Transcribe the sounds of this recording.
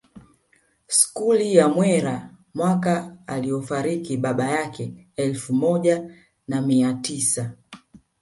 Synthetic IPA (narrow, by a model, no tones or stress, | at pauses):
si̥kulijamwɛɾa | mwakaːliɔfaɾikiɓaɓajakɛ | ɛlfumɔʄa | namiatisa